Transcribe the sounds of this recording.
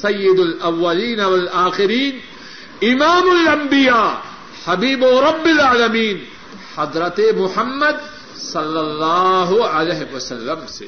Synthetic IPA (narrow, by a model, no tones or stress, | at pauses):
sɐjːɪd̪ʊlɐwːɐliːnɐʋɐlaːxɪɾiːn | ɪmaːmʊlɐmbɪjaː | hɐbiːboːɾɐbːɪlaːlɐmiːn | ħɐd̪ɾɐt̪emʊħɐmːɐd̪̚ | sɐlːɐlːɑːɦʊɐleɦɪʋɐsɐlːɐmse